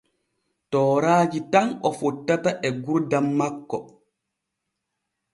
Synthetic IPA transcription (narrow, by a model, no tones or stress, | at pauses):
tɔːɾaːd͡ʒitanɔfɔtːataʔɛɡuɾdamːakːɔ